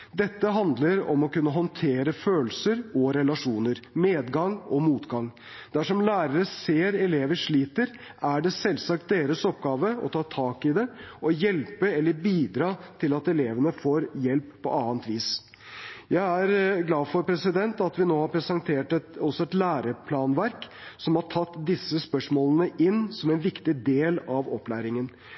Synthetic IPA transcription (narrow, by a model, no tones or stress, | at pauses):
d̪ɛt̪ːəɦɑnd̪ləɾɔ̰mɔkʉnːəɦɔnt̪ʰeːɾəføːlsəɾɔɾɛlɑʂuːnəɾmeːd̪ɡɑŋɔmuːt̪ɡɑŋ | d̪̥æʂɔmlæːɾəɾəseːɾɛleːʋəʂɭiːt̪əɾ | æɖɛsɛlsɑk̚t̪̚d̪eːɾəsɔp̚ɡɑːʋəɔ̰t̪ʰɑːt̪ʰɑːkɪd̪ɛɔjɛlpəɛlːəɾbiːd̪ɾɑːt̪ʰɪlɑt̪ɛleːʋənəfoːɾjɛlpːɔ̰ʔɑːənt̪ʋiːs | jæɪæɾɡlɑːfɔɾpʰɾɛsɪd̪ɛnt̪ɑt̪ʋɪnoːhɑɾpʰɾɛsɛnt̪ʰeːʈɛt̪ɔsɔɛt̪læːɾəpʰlɑːnʋæɾksɔmhɑʈʰɑt̪ːd̪ɪsːəspœʂmoːlənəʔɪnːsɔmɛnʋɪkt̪ɪd̪eːlɑʋɔpːlæːɾɪŋən